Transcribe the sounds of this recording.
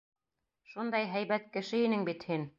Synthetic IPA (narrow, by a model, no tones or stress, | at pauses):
ʃund̪ɑjɦæjβæt̪̚kɘ̆ʃɘinɘŋbit̪hin